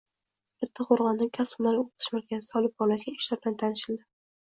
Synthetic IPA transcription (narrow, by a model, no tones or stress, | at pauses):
eɾt̪ʰːɪqoɾʁɒnd̪ɪŋkʲʰaspʊnaɾoq̚t̪ʰɪ̥ʃmakʲanɪsɒlˠɪp̚χɒnasɪɡʲaɪʃlaɾbɪlant̪ʰanɪʃɪld̪ɪ